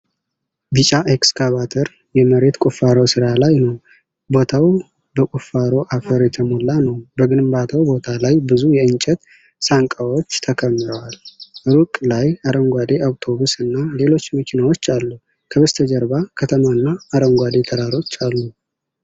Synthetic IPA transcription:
bit͡ʃʼaʔekskʰaβat̪ʰəɾ | jɛməɾe̞t̪kʼufaɾosɨɾalajnəw | bo̞t̪ʰaw | bəkʼufːaɾo̞ʔafəɾjɛt̪ʰəmolːanəwbəɡɨnmbat̪ʰəwbo̞t̪ʰalajbɨzujɛɨnt͡ʃʼɛt̪ | saŋkʼawo̞t͡ʃːt̪ʰəkʰəmːɨɾəwalɨɾukʼlajaɾəmɡʷwad̪e̞ʔawt̪ʰo̞βusɨnːale̞lo̞t͡ʃːməkʰinawo̞t͡ʃːalːu | kʰəβəst̪ʰəd͡ʒəɾbakʰət̪ʰəmaɨnːaːɾəmɡʷad̪e̞t̪ʰəɾaɾo̞t͡ʃːalːu

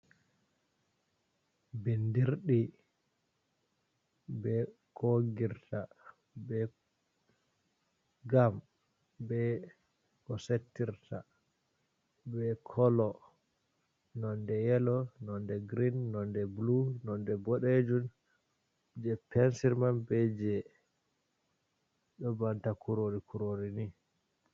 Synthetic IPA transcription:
bindiɾɗi | bɛ | kʰoɡiɾtʰa | bɛ | ɡam | bɛ | kɔsetːiɾtʰa | bɛkʰɔlɔ | nɔndɛjɛlɔnɔndɛɡɾinːɔndɛblunɔndɛbɔɗed͡ʒun | d͡ʒɛpɛnsiɾmanbɛd͡ʒɛ | ɗɔbantakuɾoɾikʰuɾoɾini

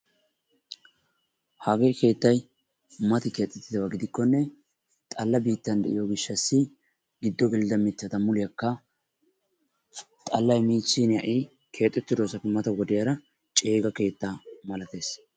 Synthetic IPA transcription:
haːɡejke̞ːt̪ːɐj | mɐt̪ɪke̞ːt̪ʼːɛt̪ːɪd̪ɐwɐɡɪd̪ɪkːɔnːɛ | t̪ʼɐlːɐbiːt̪ːɐnd̪ɛ̰ʔɪ̰joɡɪʃːɐsːɪ | ɡɪd̪ːɔɡɛlɪd̪ɐmɪt̪ːɐt̪ɐmʊlɪjɐkːɐ | t̪ʼɐlːɐjmiːt͡sːinjɐ̰ʔiː | kʰe̞ːt̪ʼːɛt̪ːɪd̪o̞ːsɐpːɪmɐt̪ɐwɔd̪ɪjɐɾɐ | t͡ʃʼe̞ːɡɐke̞ːt̪ːaːmɐlɐt̪e̞ːs

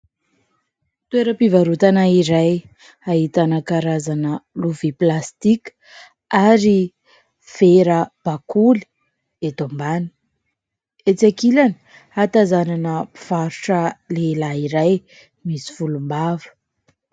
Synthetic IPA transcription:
t̪weɾəpivaɾut̪anaiɾaj | aɦit̪anakaɾazanəluviplast̪ikə̥ | aɾi | feɾəb̥akuli̥ | et̪ombani̥ | et͡sakilani̥ | at̪azananəpi̥v̥aɾuʈ͡ʂəlelaiɾaj | misi̥fulumbavə̥

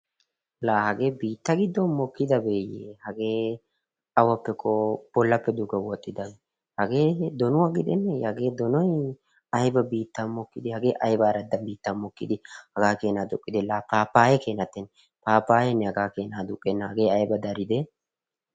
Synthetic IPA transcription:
laːhɐɡe̞ːbiːt̪ːɐɡɪd̪ːɔnmɔkːɪd̪ɐbeːjeːhɐɡe̞ː | ɐwɐpːɛkʰʼːɔb̥ɔlːɐpːɛd̪ʊɡɐwɔt̪ʼːɪd̪ɐbɛ | hɐɡe̞ːd̪ɔnʊwaɡɪd̪ɛnːɛɐɡe̞ːd̪ɔnɔj | ɐjbɐbiːt̪ːɐnmɔkːɪd̪ɪhɐɡe̞ːʔɐjbaːɾɐd̪ːɐnbiːt̪ːɐnmɔkːɪ̰d̪ɪhɐɡaːke̞ːnaːd̪ʊkʼːɪd̪ɛlaːpaːpːaːjɛke̞ːnɐt̪ːɛn | paːpːaːjɛnːɛhɐɡaːke̞ːnaːd̪ʊkʼːɛnːhɐɡe̞ːɐjbɐd̪ɐɾɪd̪ɛ

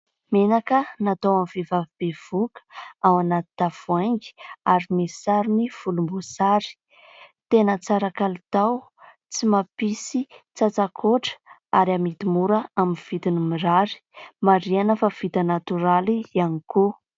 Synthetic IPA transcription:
menakənat̪awamvevavibev̥ukə̥awanat̪i̥t̪av̥uajŋɡi̥aɾimisaɾuniv̥ulumbusaɾi̥ | t̪enət͡saɾakalit̪aw | t͡simapisit͡sat͡sakʰoʈ͡ʂə̥a̰ɾiamit̪imuɾəaminv̥it̪inimiɾaɾi̥maɾianəfav̥it̪ənat̪uɾalianiku

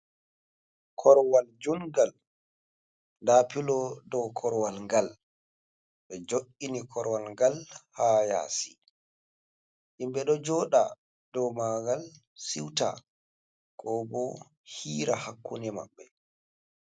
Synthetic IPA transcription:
kʰɔɾwald͡ʒuŋɡal | ndaːpilɔdɔkʰɔɾwalŋɡal | ɓɛd͡ʒoʔinikʰɔɾwalŋɡalhaja̰ːsi̥ | ʔimɓɛɗɔd͡ʒɔɗa̰ | dɔmaɡal | siwta̰ | kʰɔbɔ | hiːɾahakʰːunɛma̰ɓːɛ

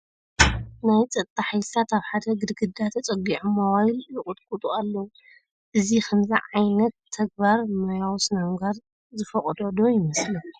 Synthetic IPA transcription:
najt͡sʼɐt̪ʼːaħajsat̪aβħad̪ɐɡɨd̪ɡɨd̪at̪ʰɐt͡sʼɐɡiʕumawajljɨkʼʊt̪kʼut̪ʼualːɐwu | ʔɨzikʰɐmzḭʕajnɐt̪ʰːɐɡ̚baɾmɐjawsɨnaŋɡaɾ | zɨfɐχʼd̪od̪ojɪmɐslɐ

